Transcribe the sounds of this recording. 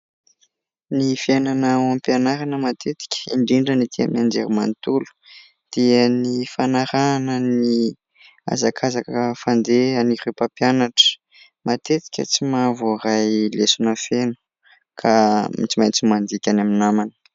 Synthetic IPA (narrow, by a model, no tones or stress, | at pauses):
nifiananawampianaɾanəmat̪ʰet̪i̥kʲə̥iɳɖ͡ʐiɳɖ͡ʐənit̪ia̰mnand͡ʒeɾimant̪ulu̥ | d̪̥iənifanaɾanəni | a̰zakʰazakaəfand̪eanirepapjanaʈ͡ʂə̥ | mat̪et̪i̥kʲə̰t͡simavorajlesunəfenu̥ | kʰamḭt͡simajnt͡simand̪ikʲanaminamanə̥